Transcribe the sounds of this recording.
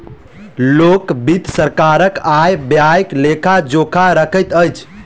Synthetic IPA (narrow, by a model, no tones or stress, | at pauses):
lokbit̪səɾkaɾəkajbjajklekʰad͡ʒokʰaɾəkʰəjt̪əjt͡ʃʰ